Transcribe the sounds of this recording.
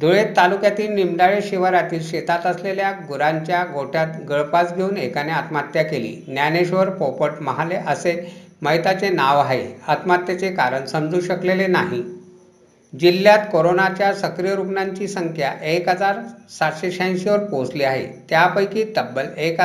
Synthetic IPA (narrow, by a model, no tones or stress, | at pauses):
d̪ʱuɭet̪ːalukjat̪iːlnimɖ̪aɭeɕiʋəɾat̪iːlɕet̪at̪əsleljaɡuɾaɲt͡ɕjaɡoʈʰjat̪ɡəɭpat͡sɡʱeuːnekaneat̪mat̪jakelḭːnjaneɕʋəɾpopəʈməɦaleʔəseməɦjt̪at͡senaʋaɦeat̪mat̪jat͡sekaɾəɳsəmd͡zuːɕəklelenaɦi | d͡ʑilːjat̪koɾonat͡ɕjasəkɾijəɾuknaɲt͡ɕiːsəŋkʰjaʔekɦəd͡zaɾsat̪ɕeɕaj̃ɕiʋəɾposliːaɦḛt̪japəjkiːt̪əbːəlek